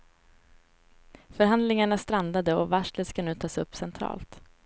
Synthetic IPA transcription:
fœɾɦand̪lɪŋaɳast̪ɾand̪ad̪əɔvaʂləskanʉ̟ːt̪ʰɑːsɵpːsɛnt̪ʰɾɑ̰ːlt̪

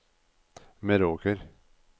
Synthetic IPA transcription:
mɛɾoːkəɾ

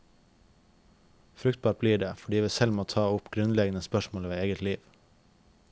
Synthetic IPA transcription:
fɾʉkt̪̚bɑːʈ̚b̥liːɖeːfɔɖiːʋiːsɛlmoːt̪ʰɑːʊpɡɾʉnlɛɡənəspœʃmoːlʋeːeːɡət̪liːʋ

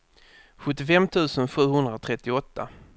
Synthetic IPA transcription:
ɧɵt̪ːɪfɛmt̪ʰʉ̟ːsənɧʉ̟ːhɵnd̪ɾat̪ʰɾɛt̪ːɪɔt̪ːa̰

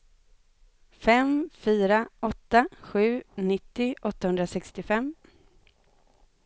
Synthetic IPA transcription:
fɛmfyːɾaɔt̪ːaɧʉ̟ːnɪt̪ːɪʔɔt̪ːahɵnd̪ɾasɛkst̪ɪfɛmː

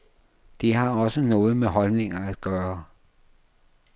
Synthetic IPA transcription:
d̥iɦɑ̈ɒ̽sənɔ̽ːð̞̩ˠmeɦɒ̽lne̝ŋɐæd̥ɡ̥ɶːɐ

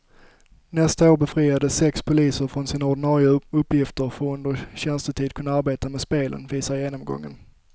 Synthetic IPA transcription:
nɛst̪aoːɾbɛfɾiːad̪əsɛkspʰʊliːsəɾfɾɔnsiːnaʊɖɪnɑːɾɪʊɵpːjɪft̪əɾfɔɵnd̪əɾɕɛnst̪ət̪ʰiːd̪kʰɵnːaaɾbeːt̪amɛːspeːlʔə̰nviːsaɾjeːnɔmɡɔ̰ŋːə̰n

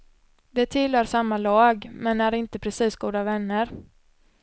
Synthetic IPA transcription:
d̪ɛt̪ʰɪlhœːɾʂamːalɑːɡmɛnæɾɪnt̪əpʰɾɛsiːsɡuːd̪avɛnːəɾ

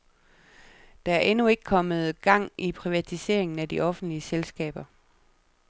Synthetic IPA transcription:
d̥ɑ̈æɐʔenue̝ɡ̥ə̥kʰɒ̽mð̞̩ˠɡ̥ɑ̈ŋ̰ʔipʰʁiʋæt͡sʰise̝ɐ̰e̝ŋn̩æd̥iʔɒ̽fn̩d̥liəselsɡ̥ɛ̰ːb̥ɐ

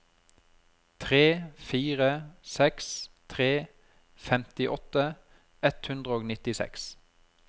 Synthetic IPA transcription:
t̪ʰʁeːfiːʁəsɛkst̪ʰʁeː | fɛmt̪ɪʔɔt̪ə | ɛt̪hʉnd̪ʁəoːɡnɪt̪ɪsɛ̰ks

